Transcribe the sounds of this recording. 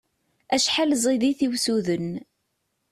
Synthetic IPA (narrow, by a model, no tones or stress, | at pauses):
æʃħalzˤiðiθiwsuðən